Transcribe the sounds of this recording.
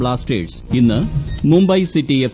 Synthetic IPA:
ɭaːsʈḛːʈsinːɨmumbɐjsiʈːief

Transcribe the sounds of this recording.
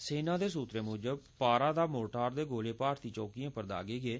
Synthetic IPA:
seːnãːd̪eːs̬uːt̪ɾeːmʊːd͡ʒəb̚paːɾaːd̪aːmoːʈaːɾd̪eːɡoːleːpaːɾt̪iːt͡ʃɔːkijãːpəɾd̪a̰ːɡeːɡeː

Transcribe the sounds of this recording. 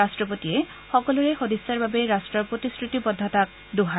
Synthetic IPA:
astɹɔpotiɛ | xɔkɔlʊɹexodisːaɹbabeɹastɹɔpotiskʰɹutibɔd̪ʱːatak̚ | doɦa

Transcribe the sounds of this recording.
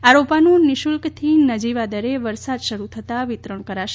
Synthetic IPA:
aɾopanũniʃulkt̪ʰinəd͡ʒiʋad̪əɾeʋəɾsad̪ʃəɾut̪ʰət̪aʋit̪ɾəɳkəɾaʃe

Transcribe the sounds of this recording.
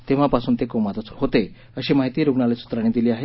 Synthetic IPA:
t̪ẽʋ̤apasuːnt̪ekomat̪ət͡shot̪e | əɕemaɦit̪iːɾuɡɳalesu̥t̪ɾaɽ̃id̪iliːaɦe

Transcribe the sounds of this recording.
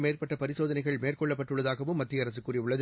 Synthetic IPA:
meːrpɐʈːɐpɐɾɪsoːðɐnɐɪɣɐɭmeːrkɔɭːɐpːɐʈrɯɭːɐðaːɣɐʋɯmːɐt̪ːɪjɐɾɐs̬ɯkːuːrɪʊɭːɐð

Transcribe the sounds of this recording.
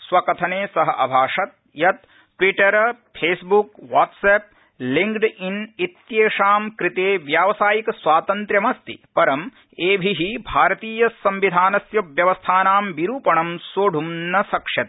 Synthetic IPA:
sʋɐkɐt̪ʰɐneːsɐɦɐʔɐbʱaːʂɐt̪̚ | jɐt̪̚ | ʈʋiʈɐɾɐ | pʰeːsbukʋaːʈseːp̚ | liŋkɖinit̪jeːʂaːmkɾɪt̪eːʋjaːʋɐsaːjikɐsʋaːt̪ɐnt̪ɾjɐmɐst̪ḭpɐɾɐm | eːbʱiɦibʱaːɾɐt̪iːjɐsɐmʋid̪ʱaːnɐsjɐʋjɐʋɐst̪ʰaːnaːmʋiɾuːpɐɳɐmsoːɖʱumnɐsɐkʂjɐt̪

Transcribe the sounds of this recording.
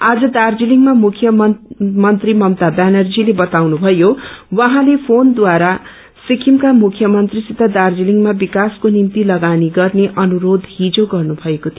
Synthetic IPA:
ad͡zʌd̪ard͡ziliŋmamukʰjʌmʌnt̪rimʌmt̪abanʌrd͡zilebʌt̪awnubʱʌjowʌɦãlepʰond̪waɾa | sikʰimkamukʰjʌmʌnt̪risit̪ad̪ard͡ziliŋmabikaskonimt̪ilʌɡaniɡʌrneʔʌnuɾod̪ʱɦid͡zoɡʌrnubʱʌekot̪ʰi

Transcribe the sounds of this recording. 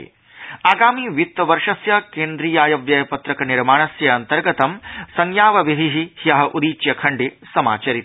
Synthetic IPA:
aːɡaːmiːʋit̪ɐʋɐɾʂɐsjɐkeːnd̪ɾiːjaːjɐʋjɐjɐpɐt̪ɾɐkɐniɾmaːɳɐsjɐɐnt̪ɐɾɡɐt̪ɐmsɐŋjaːʋɐʋid̪ʱiɦihjɐɦɐʔud̪iːt͡ʃjɐkʰɐɳɖisɐma̰ːt͡ʃɐɾit̪

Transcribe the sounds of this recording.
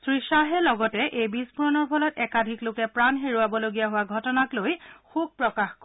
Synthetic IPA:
sɹiʃaɦɛlɔɡɔtɛʔejbisbuɹɔnɔɹpʰɔlɔtɛkadʱiklokɛpɹanɦeɹuabɔloɡijaɦʊwaɡʱɔtɔnaklojxub̚pɹɔkaxk

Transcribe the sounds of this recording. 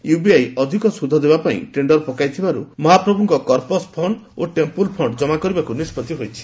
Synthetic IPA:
jubiajɔd̪ʱikɔsud̪ʱɔd̪ebapaḭ̃ʈɾeɳɖɔɾpɔkajt̪ʰibaɾṵmɔɦapɾɔbʱuŋkɔkɔɾpɔspʰɔɳɖoʈempulpʰɔɳɖd͡ʒɔmakɔɾibakunispɔt̪iɦojt͡ʃʰi̥

